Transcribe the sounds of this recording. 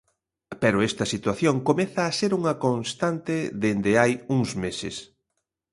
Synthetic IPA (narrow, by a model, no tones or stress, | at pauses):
pɛɾʊɛst̪ɐsit̪waθjoŋkomɛθaːseɾuŋɐkonst̪ant̪eðend̪eajuŋzmesɪ̰s